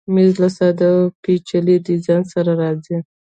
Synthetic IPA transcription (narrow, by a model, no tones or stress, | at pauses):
mizlasɑd̪əpit͡ʃalid̪əzɑnsaɾaɾɑzi